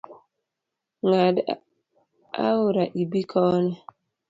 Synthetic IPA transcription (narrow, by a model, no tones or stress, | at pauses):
ŋad | a̰wuɾaʔibikʰɔːnɔ